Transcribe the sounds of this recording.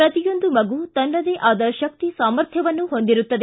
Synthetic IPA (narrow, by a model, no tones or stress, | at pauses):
ɾɐt̪ijo̞nd̪umɐɡut̪ɐnːɐd̪eʔaːd̪ɐʃɐk̚t̪isaːmɐɾt̪ʰjɐʋɐnːuɦo̞nd̪iɾut̪ːɐd̪e